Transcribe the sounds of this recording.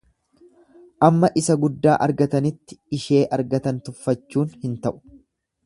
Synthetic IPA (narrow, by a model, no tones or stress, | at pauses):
ʔɐmːɐʔɪsɐɡʊd̪ːaːʔɐɾɡɐt̪ɐnɪt̪ːɪ̥ɪʃe̞ːʔɐɾɡɐt̪ɐnt̪ʊfːɐt͡ʃːuːnhɪnt̪ɐʔʊ̥